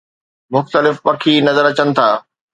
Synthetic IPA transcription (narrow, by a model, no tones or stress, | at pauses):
mʊxt̪əlɪfpɐkʰinɐzəɾɐt͡ɕənɪ̆t̪ʰaː